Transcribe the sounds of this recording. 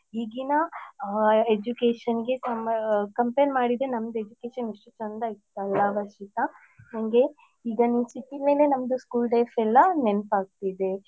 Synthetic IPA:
ɦiːɡinɐ | ed͡ʒukeːʃɐnɡe̞samkɐmpenmaːɽid̪enɐmːɐd̪ued͡ʒukeːʃɐneʂʈut͡ʃɐnd̪ɐit̪ːuɐlːaːʋɐʃit̪ɐ | jaŋɡe̞ | iːɡɐnisiʈ̪imeːlenɐmɐd̪uskuːlɖɐjfʰɛlːɐnenpaːɡ̚t̪id̪e

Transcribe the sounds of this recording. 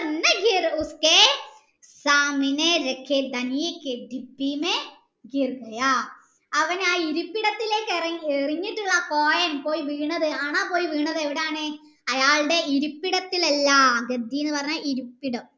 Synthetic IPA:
ɐnːeɡiruske | saːŋineɾekʰːed̪ɐnijekːed̪ibiːme | ɡirɡɐja | ɐʋɐnaːiɾupːiɽɐt̪ːile̞ːkːereriɲːiʈːuɭːɐkoːjɐnpo̞ːjiʋiːɳːɐðɨaːɳaːpo̞ːjiʋiːɳːɐðɨeʋiɽejaːɳe | ɐjaːɭɨɽe̞ʔiɾupːiɽɐt̪ːilɐlːaɐɡɐd̪ʱːijenːɨpɐrɐɲːaʔiɾupːiɽɐm

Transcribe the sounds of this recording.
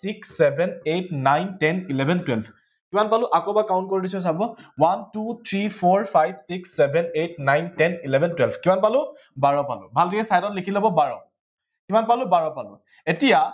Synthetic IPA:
siksːɛbʱɛnetnajntɛnilɛbʱɛntwɛlpʰ | kimanpalʊʔakobakaʊnt̚koɹidis̬ɔs̬abɔwantut̪ʰɹipʰɔɹpʰajbsiksːɛbʱɛnet̚najntɛnilɛbʱɛntwɛlpʰkimanpalʊ̃ | baɹɔpalʊ̰bʱaltʰakɛsajtɔtlekʰilɔbɔbaɹɔ | kimanpalʊ̃baɹɔpalʊ̰̃ | etija

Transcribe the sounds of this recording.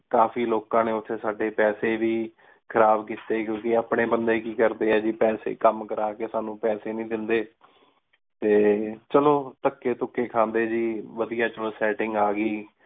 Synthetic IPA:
kaːpʰiːloːkãːneːʊt̪ʰːeːsaːɖeːpɛːseːʋiː | kʰəɾaːbkiːt̪eːkjõːkɪaːpɳeːbənd̪eːkiːkəɾd̪eːɛːd͡ʒiːpɛːsḛːkəmkəɾaːkeːsaːnũːpɛːseːnĩːd̪ɪnd̪eː | t̪eːt͡ʃəloːt̪əkːeːt̪ʊkːeːkʰãːnd̪eːd͡ʒiːʋəd̪ijãːt͡ʃəsɛːʈɪŋɡaːɡiː

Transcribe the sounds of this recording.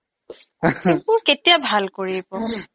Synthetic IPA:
ũketijabʱalkoɹipɔ

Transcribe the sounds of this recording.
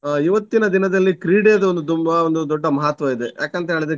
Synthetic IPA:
iʋɐt̪ːinɐd̪inɐd̪ɐlːikɾiːɽejɐd̪ɐond̪ut̪̬umbɐond̪ud̪ɔɖːɐmɐɦat̪ʋɐid̪e̞jʔaːkɐnt̪ɐɦeːɭid̪ɾe

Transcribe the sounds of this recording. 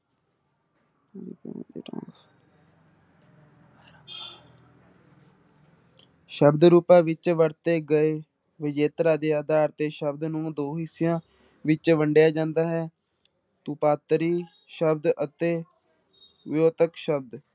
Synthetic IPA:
ʃəbd̪ɾuːpãːʋɪt͡ʃʋəɾt̪eːɡəeː | ʋɪd͡ʒeːt̪ɾaːd̪eːaːd̪aːɾt̪eːʃəbd̪nũːd̪oːɦɪsejãː | ʋɪt͡ʃʋəɳɖejaːd͡ʒãːnd̪aːɦɛː | t̪uːpaːt̪ɾiː | ʃəbd̪ət̪eː | ʋɪjoːt̪əkʃəb̚d̪

